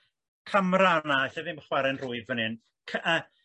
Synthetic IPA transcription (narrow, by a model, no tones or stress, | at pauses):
kʰamraanaaθɛðɪmχwɛɾɛnrʊɨvvənɨn | kʰəə